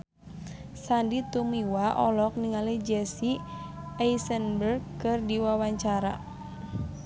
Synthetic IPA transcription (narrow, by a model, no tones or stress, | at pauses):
sandit̪umiwaʔɔlɔk̚niŋalid͡ʒɛsi | ajsənbərɡkɨrdiwawaɲt͡ʃaɾa̰